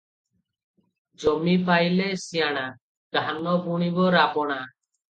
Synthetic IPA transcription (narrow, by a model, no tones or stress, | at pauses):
d͡ʒɔmipajlɛsijaɽ̃a | ɡ̥anɔbuɽ̃ibɔɾabɔɽ̃a